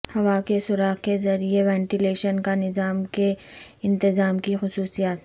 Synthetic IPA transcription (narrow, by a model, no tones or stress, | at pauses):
hɐʋakesʊɾaːɦkezɐɾieʋɛ̃ːɳʈɪleːʃənkanɪzaːmkeɪ̃nt̪ɪzaːmkixʊsuːsijaːt̪